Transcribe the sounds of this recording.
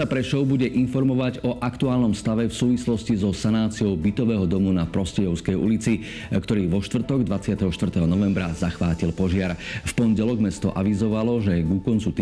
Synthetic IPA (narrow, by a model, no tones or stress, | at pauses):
apɾɛʃɔʊbuɟɛʔinfɔɾmɔʋaɟɔʔakt̪uaːlnɔmst̪aʋɛfsuːʋislɔscizɔsanaːt͡siɔʊbit̪ɔʋɛːɦɔd̪ɔmunapɾɔscɛjɔʊskɛjṵlit͡si | kt̪ɔɾiːʋɔʃt̪ʋr̩t̪ɔɡd̪ʋat͡sɪat̪ɛɦɔʃt̪ʋvr̩t̪ɛɦɔnɔʋɛmbɾazaxʋaːcilpɔʒɪaɾfpɔɲɟɛlɔɡmɛst̪ɔʔa̰ʋizɔʋalɔʒɛɡukɔnt͡sut̪